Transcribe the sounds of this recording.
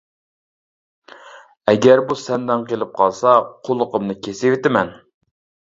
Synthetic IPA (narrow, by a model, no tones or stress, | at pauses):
ɛɡʲɛɾbusɛnd̪ɛnqelˠɪp̚qʰɑlˠsɑqʰolˠːʊqəmnɨkʲʰesewɪt̪ɪmɛn